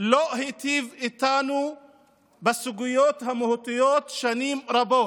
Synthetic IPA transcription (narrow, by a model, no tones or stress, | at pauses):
lohit̪ivit̪anu | basuɡujot̪hamehut̪ijot̪ʃanimɾabot